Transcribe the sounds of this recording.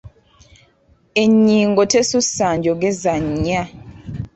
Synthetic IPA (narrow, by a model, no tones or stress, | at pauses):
eɲiːŋɡotesusaɲd͡ʒoɡɛzaɲɲa